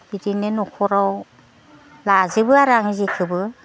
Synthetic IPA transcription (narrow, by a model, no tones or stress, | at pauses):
bidinɯnɔkʰɔɾaw | lazɯbɯaɾaŋizekʰɯbɯ